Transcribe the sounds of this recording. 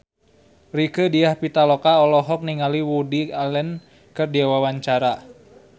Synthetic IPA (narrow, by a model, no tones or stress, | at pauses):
rikədiahpit̪alɔkaɔlɔɦɔk̚niŋaliwudialɛn | kɨrdiawawaɲt͡ʃaɾa